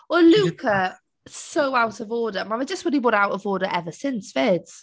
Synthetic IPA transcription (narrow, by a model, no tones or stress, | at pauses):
wəlʉˑkʰə | soʊaʊtəvɔːdəmãnaɪd͡ʒʌstɹɪlibɔˑɾaʊtəvɔːdəɹʔɛvəsɪ̃nsfɪdz̥